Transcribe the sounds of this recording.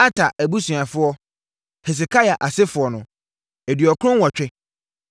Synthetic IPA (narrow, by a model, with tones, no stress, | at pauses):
a˦tʰa˨ʔæ˨bu˦sũ˨a˨fʊ˦ɔ˦ | hɛ˨s̬ɪ˨kʰa˦ja˨ʔa˨sɪ˦fʊ˨ɔ˨nʊ̃˨ | ɛ˨dɥɔ˨kʊ˦ʊ̃˦wɔ˨t͡ɕᶣɛ˦